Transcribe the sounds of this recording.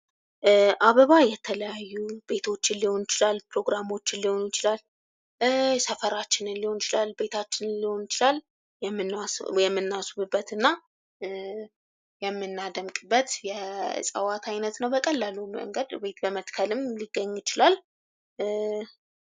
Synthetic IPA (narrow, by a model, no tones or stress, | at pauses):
ʔaβəβajɛt̪ʰələjajːub̥e̞t̪ʰo̞t͡ʃːɪnliho̞njɪt͡ʃɪlalpɾo̞ɡɾamo̞t͡ʃːɪnlːiho̞njɪt͡ʃɪlal | səfəɾat͡ʃːɪnɨnliho̞nɪt͡ʃɪlalbe̞t̪ʰat͡ʃːɪnɨnliho̞njɪt͡ʃɪlal | jɛmːɨnːjɛmːɨnːasuβɨbːət̪ɨnːa | jɛmːɨnːad̪əmkʼɨbːət̪jɛsʼəwat̪ʰajnət̪nəwbəkʼəlːəlumə̰ŋɡəd̪be̞t̪bəmət̪kʰəlɨmliɡːəɲːjɪt͡ʃɪlal